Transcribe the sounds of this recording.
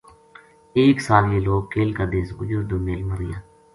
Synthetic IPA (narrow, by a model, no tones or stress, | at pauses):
eːksaːljeːloːɡkeːlkad̪esɡʊd͡ʒʊɾd̪oːmeːlməɾɪ̰jaː